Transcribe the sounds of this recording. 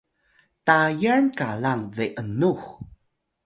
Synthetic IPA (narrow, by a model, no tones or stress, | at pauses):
tajəɹnkalaŋðeʔənux